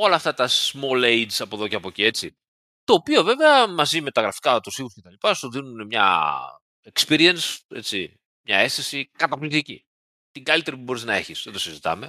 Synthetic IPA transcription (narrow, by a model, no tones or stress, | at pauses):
o̞lɐːft̪ɐt̪ɐsmo̞lejd͡ʒsɐpo̞ðo̞ceɐpo̞cie̞t͡si | t̪o̞ːpio̞ve̞veɐmɐzime̞t̪ɐɣɾɐfi̥kɐt̪usixusce̞t̪ɐlipɐsuðinune̞mɲɐ̰ | ekspiɾiense̞̰t͡sḭ | mɲɐ̰e̞st̪isikɐt̪ɐplikt̪icḭ | t̪iŋɡɐlit̪e̞ɾipubo̞ɾiznɐe̞çisðet̪o̞sizit̪ɐ̰me̞